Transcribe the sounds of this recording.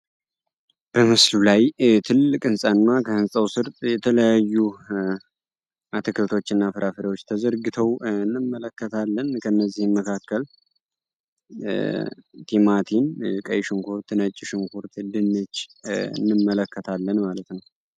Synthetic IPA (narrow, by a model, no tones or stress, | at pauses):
b̥əmɨslulajt̪ʰɨlːɨkʼɨnsʼanːakʰəhɨnsʼəwsɨɾt̪ʼjɛt̪ʰələjajːu | ʔat̪ʰɨkʰət̪ʰo̞t͡ʃːɨnːafɨɾʔafɨɾəwo̞t͡ʃːt̪ʰəzəɾɡɨt̪ʰəwɨnːɨmːələkːət̪ʰalːənkʰənːəzːihmməkʰakːəl | t̪ʰimat̪ʰinkʼəjʃɨŋkʰoɾt̪ʰɨnət͡ʃʼːɪʃɨŋkʰoɾt̪ʰd̪ɨnːət͡ʃːɨ̰nːɨmːələkʰːət̪ʰalːənmalət̪nəw